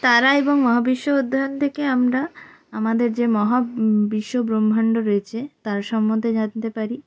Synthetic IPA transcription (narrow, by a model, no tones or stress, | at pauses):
t̪aɾaeboŋmɔɦabiʃːood̪ʱːant̪ʰekeamɾa | amad̪eɾd͡ʑemɔɦabiʃːobɾombʱaɳɖoɾoet͡ɕʰet̪aɾʃɔmːod̪ʱed͡ʑant̪epaɾi